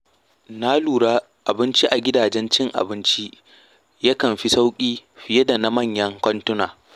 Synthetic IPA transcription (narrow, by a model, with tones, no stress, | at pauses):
naː˦luː˨ɽaː˦ | ʔa˨bɪ˦nt͡ʃi˦ʔa˨ɡʲɪ˦daː˨d͡ʒɛ˦nt͡ʃɪ˦ŋʔa̰˨bɪ˦nt͡ʃi˦ | ja˦kɐ˨mɸi˦sa˦wkʲʼiː˦ɸɪ˨je˦da˨na˦mɐ˦˨ɲjɐ˦ŋkʷɔ˦ntʊ˦naː˨